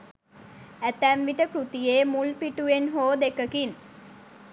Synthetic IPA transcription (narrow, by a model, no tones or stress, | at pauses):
æt̪æmʋiʈəkɾut̪ijeːmulpiʈuenɦoːd̪ekəkin